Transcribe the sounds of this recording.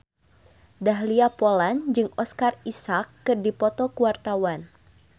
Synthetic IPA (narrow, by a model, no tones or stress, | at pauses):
daɦliapɔland͡ʒɨŋɔskarisakːɨrdipɔt̪ɔkuwart̪awan